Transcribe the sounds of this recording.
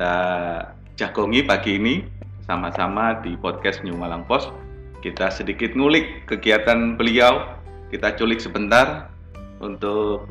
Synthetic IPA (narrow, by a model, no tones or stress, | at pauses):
t̪a | d͡ʒaɡ̥oŋipaɡiːni | samasamadipɔt̪̚kɛst̪̚ɲumalaŋpɔs | kit̪asədikɪt̪̚ŋulɪkːəɡiat̪anbəliaw | kit̪at͡ʃulɪk̚səbənt̪ar | ṵnt̪ʊk̚